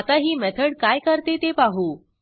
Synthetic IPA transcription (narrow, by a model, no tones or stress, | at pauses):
at̪aɦiːmɛt̪ʰəɽkajkəɾt̪et̪epaɦuː